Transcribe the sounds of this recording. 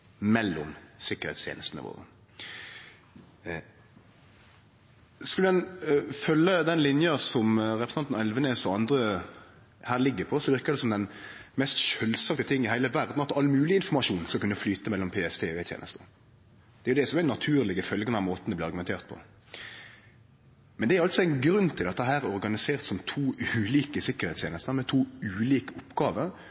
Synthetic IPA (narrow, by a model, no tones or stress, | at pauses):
mɛlːɔmsɪkəɾhɛ̰ɪt̪st̪ʰjḛnəst̪nə̰ʋo̰ːʁə̰ | skʉləd̪ɛnfœlːəd̪ɛnlɪnjɑsɔmʁɛpɾəsɑnt̪nɛlʋənesɔɑnd̪ɾə | hæːʁlɪɡːəpʰɔsɔʋɪɾkəd̪ɛsɔmd̪ɛnmɛst̪ʃœlsɑkt̪ət̪ʰɪŋːɪhæɪləʋæɾd̪nɑt̪ɑlːmʉːlɪɪnfɔɾmɑʂuːnskɑkʉnːəflyːt̪əmɛlːɔmpʰeːɛst̪ʰeːet̪jḛːnʔə̰st̪ə | d̪̥ɛæɾjʊd̪ɛsɔmænɑt̪ʰʉːɾlɪɡəfœlɡənɛmoːt̪nd̪ɛb̪ɪɾɑɾɡʉmɛnt̪ʰeːʁt̪̚pʰɔ̰ | mɛnd̪ɛæɾɑlt̪sɔæɪnɡɾʉnːt̪ʰɪlɑt̪̚d̪ɛɦæːɾæɾɔɾɡɑnɪseːɾt̪sɔmt̪ʰuːʉːliːkəsɪkːəɾhɛɪt̪st̪jeːnəst̪əmɛt̪ʰuːʉːliːkəɔpːɡɑːʋəɾ